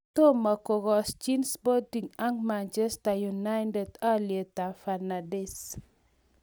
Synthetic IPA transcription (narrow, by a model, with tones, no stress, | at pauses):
to˦ma˨ko˨ɡɔ˨st͡ʃi˦nspɔ˦ti˨ŋa˦ŋma˨nt͡ʃɛ˦sta˨ju˨na˦ɪnde˨da˦lje˨ta˨fa˨na˨dɪ˦s